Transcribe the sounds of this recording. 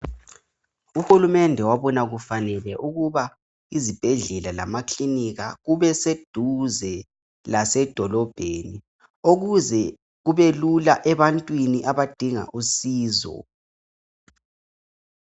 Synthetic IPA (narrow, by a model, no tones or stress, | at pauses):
uhulumɛndʱɛwaβɔnaɣufanɛlɛʔuɣuβa | izib̥ʱɛɮɛlala̰makliniɣaɣuβɛsed̥ʱuzɛ | lasɛd̥ʱɔlɔb̥ʱeni | oɣuzɛ | ɣuβelulaʔɛβantʼwiniʔaβad̥ʱiŋa̰ʔusiːzɔ̰